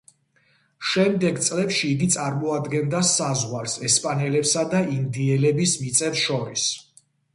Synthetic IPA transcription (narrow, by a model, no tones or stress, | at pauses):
ʃɛmd̪ɛɡt̪sʼlɛpʃiːɡit̪sʼaɾmɔad̪ɡɛnd̪asazʁwaɾsɛspʼanɛlɛpsad̪aind̪iɛlɛbismit̪sʼɛfsʃɔɾis